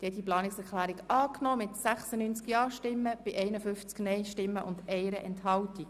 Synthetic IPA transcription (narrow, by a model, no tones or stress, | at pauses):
d̥ɛd̪iplɑːnɪksɛɾklæːɾikɑːknɔːmɪtsæχsənyːnt͡skjɑːʃtɪmːəb̥ɪʔɛɪnəfʏft͡sknɛɪʃtɪmːəʔʊndɛɪɾəʔɛnthɑltik